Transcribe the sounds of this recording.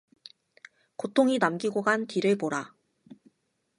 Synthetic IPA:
kotʰoŋinamɡiɡoɡantiɾɯɭpoɾa

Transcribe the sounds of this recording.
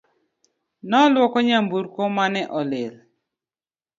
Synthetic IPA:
nɔlwɔkɔɲambuɾkɔmanɛʔɔlɪl

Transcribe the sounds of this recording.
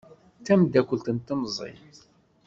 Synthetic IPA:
t̪ːæmd̪ːækʷəlt̪ənt̪ːəmzˤḭ

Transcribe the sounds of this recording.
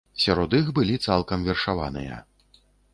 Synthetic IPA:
sʲaɾɔd̪ixbɨlʲit̪salˠkɐmvʲɛrʂava̰nɨ̰jɐ̰

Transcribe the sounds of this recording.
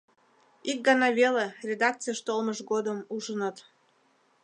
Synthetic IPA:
ik̚ɡɑnɑβelerʲed̪ɑk̚t͡sɨjəʃt̪olməʃɡod̪əmuʒənət̪

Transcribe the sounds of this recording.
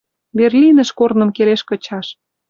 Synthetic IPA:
berlʲinə̆ʃkornə̆mkeleʃkɤ̆t͡ɕɑʃ

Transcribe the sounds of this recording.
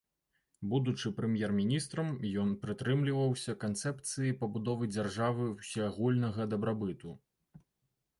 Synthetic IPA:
bud̪ut͡ʂɨpɾɛmʲjɛrmʲinʲist̪ɾɐmjɔnpɾɨt̪ɾɨmlʲivɐwsʲɐkant̪sɛpt̪sɨjipɐbud̪ɔvɨd͡zʲarʐavɨwsʲɛaɣulʲnɐɣɐd̪ɐbɾabɨt̪u

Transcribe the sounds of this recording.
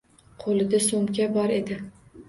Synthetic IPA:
qʰolɪd̪asomkʲabɒɾe̞d̪ɪ

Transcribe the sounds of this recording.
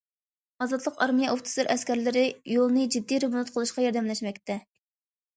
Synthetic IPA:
ɑzɑt̪lˠəqɑɾmijɛʔoft̪ʰɨ̥sɨɾʔɛskʲɛɾlɪɾɪjolˠnɨd͡ʒid̪ːijɾebunut̪qʰəlˠɨʃqɑjɑɾd̪ɛmlɛʃmɛkʲt̪ɛ

